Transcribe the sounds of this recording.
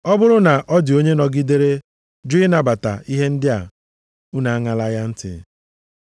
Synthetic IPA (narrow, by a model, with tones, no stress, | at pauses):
ɔ˦bʊ˦ɾʊ˦na˨ʔɔ˦dɪ˨o˦ɲe˦nɔ˨ɡi˦de˦ɾe˦ | d͡ʒɪ˦na˨ba˨ta̰˨i˦ɦe˦n̩˦dɪ˦a˨ | u˦na˨a˦ŋa˨la˦ja˦n̩˦tɪ̰˨